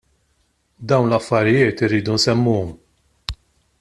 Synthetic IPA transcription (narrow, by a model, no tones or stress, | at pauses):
d̪ɐwnlɐfːɐɾɪjɪːt̪ɪɾːiːd̪unsɛmːuːɔm